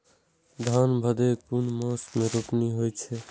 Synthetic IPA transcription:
d̪ʱanbʱəd̪ekunmə̃smẽɾopniɦojt͡ʃʰɛ

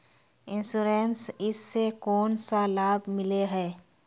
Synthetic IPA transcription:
ɪ̃nsuːɾeːnsɪsːekɔːnsalaːbmɪleɦɛː

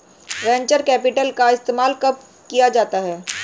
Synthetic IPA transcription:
ʋɛ̃ːɲt͡ʃəɾkɛːpɪʈəlkaɪst̪eːmaːlkɐp̚ | kijad͡ʒaːt̪aɦɛː

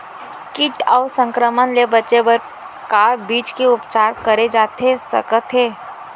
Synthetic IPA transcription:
kɪʈɔʊsə̃ŋkɾəmənlebətːt͡ʃebəɾ | kaːɾbiːt͡ʃkeʊpt͡ʃaːɾkəɾed͡ʒaːt̪ʰesə̰kət̪ʰeː

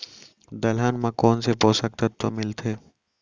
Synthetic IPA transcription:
d̪ɐlɦanmãkɔːnsepoːsɐk̚t̪at̪ːomɪlt̪ʰeː

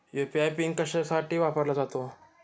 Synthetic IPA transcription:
jupiajpiŋɡkəɕasaʈʰiːʋapəɾlad͡zat̪o

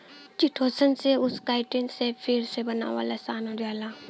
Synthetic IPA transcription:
t͡ʃiʈʰoːsənseʊskaːɪʈɪnsepʰiɾsebəna̰ːʋa̰ːlasaːnõɾjaːlaː

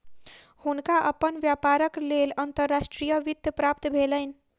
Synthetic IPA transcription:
hunkaʔəpənʋjapaɾəklelənt̪əɾːasʈɾijəʋid̪əpɾap̚t̪bʱelən

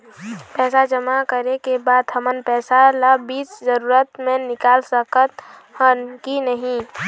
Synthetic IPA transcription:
pɛːsad͡ʒəmakəɾekebaːd̪ɦʰəmənpɛːsalabiːt͡ʃzəɾuːɾət̪mẽnɪkaːlsəkət̪ | hənkinəɦĩ

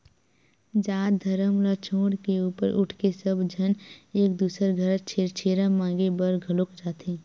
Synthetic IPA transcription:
d͡ʒaːt̚d̪ʱəɾəmlat͡ʃʰoːɽkeuːpəɾʔʊʈʰkesəbd͡ʒʱəneːk̚d̪uːsəɾɡʱəɾt͡ʃet͡ʃʰeːɾəmãːŋɡebəɾɡʱəlokd͡ʒaːt̪ẽː

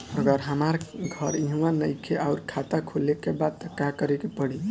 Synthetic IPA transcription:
əɡəɾɦəmaɾɡʱʌɾĩɦũwanəjkʰeʔaʊɾkʰat̪akʰolekebad̪̚t̪əkakəɾɛkepəɽi

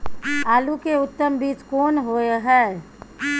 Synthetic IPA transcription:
aːlukeʊt̪ːəmbiːt͡ʃkɔːnɦoeɦɛː

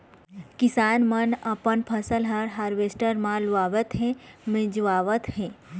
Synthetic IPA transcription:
kɪsaːnmənəpənpʰəsəlɦɐɽɦaːɾʋeːsʈəɾmãlʋaːʋət̪ɦẽmẽd͡ʒʋaːʋət̪hɛ̃ː

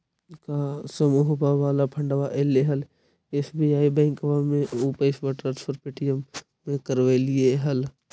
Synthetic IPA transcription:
kasəmuɦbaʋaːlapʰə̃ɳɖʋaʔeleɦəl | eːsbiaːibɛ̃ːŋkʋamẽupeɪsʋəʈaːnspʰəɾpeːʈijəmː | ẽkəɾʋelieɦɐl

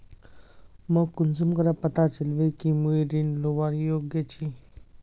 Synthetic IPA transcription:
məkund͡zumkəɾapət̪at͡səlʋekimujɾinluʋaɾijoɡjət͡ɕi

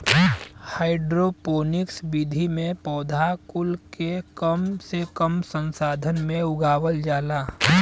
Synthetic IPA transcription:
haːɪɖɾopoːnɪksbid̪ʱimẽpɔːd̪ʱakʊlkekəmsekəmsə̃nsaːd̪ʱənmẽʊɡaːwəld͡ʒaːlaː

